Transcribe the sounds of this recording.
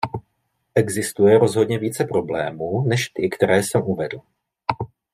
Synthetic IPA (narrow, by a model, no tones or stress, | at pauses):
ʔɛɡzɪst̪ujɛɾo̞zɦo̞dɲɛviːt͡sɛpɾo̞blɛ̰ːmuːnɛʃt̪ɪkt̪ɛɾɛːsɛmʔuvɛdl̩